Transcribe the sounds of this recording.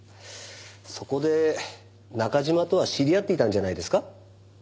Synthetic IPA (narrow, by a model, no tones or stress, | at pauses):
so̞ko̞d̪e̞ | nakaʑimat̪o̞βaɕiɾʲijat̪ːeit̪ãɲ̟d͡ʑanaid̪e̞sɨ̥ka